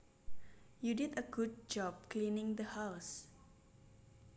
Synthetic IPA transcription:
judidəɡud̚d͡ʒɔb̚klinɪ̃ŋd̪əhaws

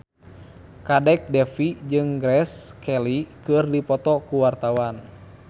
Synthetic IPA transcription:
kadɛk̚dɛfid͡ʒɨŋɡɾɛskɛlikɨrdipɔt̪ɔkuwart̪awan

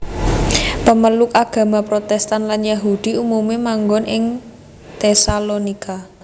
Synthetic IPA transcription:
pəməlʊkaɡ̥a̤mapɾot̪ɛst̪anlanjaɦud̪̥i̤umumemaŋɡɔnʔɪŋ | t̪ɛsalonikʰa

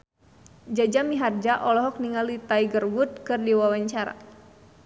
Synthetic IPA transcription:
d͡ʒad͡ʒamiɦard͡ʒaʔɔlɔɦɔk̚niŋalit̪aiɡərwut̪̚kɨrdiwawaɲt͡ʃaɾa̰

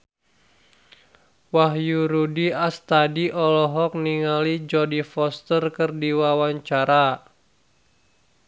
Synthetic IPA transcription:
waɦjuɾudiast̪adiʔɔlɔɦɔk̚niŋalid͡ʒɔdifɔst̪ərkərdiwawaɲt͡ʃaɾa

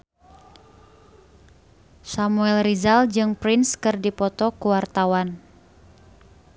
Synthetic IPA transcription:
samuɛlrizald͡ʒɨŋpɾɪnskɨrdipɔt̪ɔkuwart̪awan

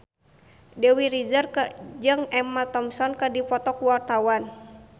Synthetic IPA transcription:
dɛwiɾid͡ʒərkəd͡ʒɨŋɛmat̪ɔmsɔnkədipɔt̪ɔkuwart̪awan

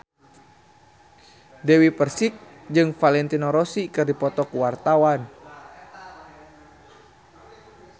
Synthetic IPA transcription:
dɛwipərsik̚d͡ʒɨŋfalɛnt̪inoɾɔsikɨrdipɔt̪ɔkuwart̪awan

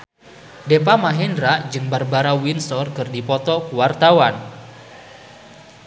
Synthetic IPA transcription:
depamaɦɛndɾaʔd͡ʒɨŋbarbaɾawinsɔrkɨrdipɔt̪ɔkuwart̪awan

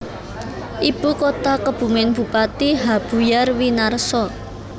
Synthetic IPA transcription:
ʔib̥ṳkot̪akəb̥ṳmɪnb̥ṳpat̪iɦab̥ṳjarwinarsɔ

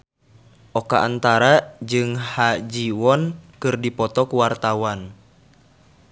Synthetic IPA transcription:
ʔɔkaʔant̪aɾad͡ʒɨŋhad͡ʒiwɔnkɨrdipɔt̪ɔkuwart̪awan

